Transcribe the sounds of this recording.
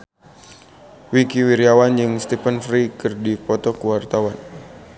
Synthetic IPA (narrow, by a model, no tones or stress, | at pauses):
wikiwiɾiawand͡ʒɨŋst̪ipənfɾikɨrdipɔt̪ɔkuwart̪awan